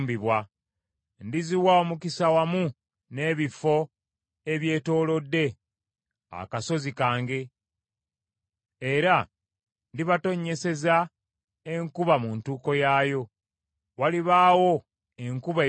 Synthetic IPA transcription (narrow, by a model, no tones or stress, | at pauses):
mbiβwa | ndiziwaomukisawamu | ne̞ːβifo̞ | e̞βje̞ːto̞ːlo̞dːe̞ | a̰kaso̞zikaːŋɡe̞ | eɾa | ndiβato̞ɲːe̞se̞za | eŋkuβamuntuːko̞jaːjo̞ | waliβaːwo̞ | e̞ŋkuβa